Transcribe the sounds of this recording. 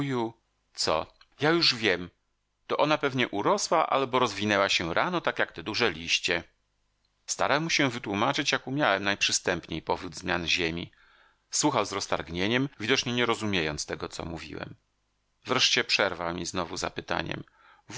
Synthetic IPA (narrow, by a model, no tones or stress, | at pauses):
ju | t̪sɔ̰ | jajuʐvʲjɛm | t̪ɔʔɔnapɛvɲɛʔuɾɔswaʔa̰lbɔɾɔzvʲinɛwaɕɛɾʔanɔt̪akjakt̪ɛd̪uʐɛlʲiɕt͡ɕɛ | st̪a̰ɾawmuɕɛvɘt̪wumat͡ʂɘt͡ɕjakumʲjawɛmnajpʂɘst̪ɛmpɲejpɔvɾud̪zmʲjanʑemʲḭ | swuxawzɾɔst̪aɾɡɲeɲɛmvʲid̪ɔt͡ʂɲɛɲɛɾɔzumʲjejɔnt̪st̪ɛɡɔt̪sɔ̰muvʲḭwɛ̰m | vɾɛʂt͡ɕɛpʂɛɾvawmʲiznɔvuza̰pɘt̪a̰ɲɛ̰m